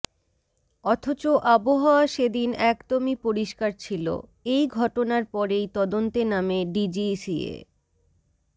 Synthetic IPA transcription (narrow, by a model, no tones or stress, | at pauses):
ɔt̪ʰot͡ɕoʔaboɦaoaʃed̪inɛkt̪omipoɾiʃkaɾt͡ɕʰilo̰ejɡʱɔʈonaɾpɔɾejt̪ɔd̪ont̪enameɖid͡ʑisiḛ